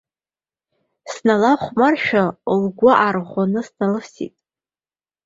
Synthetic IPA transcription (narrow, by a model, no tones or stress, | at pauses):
snalaχʷmarʃᶣalɡʷʊʔarʁʷanɨsnalɨfsḭtʼ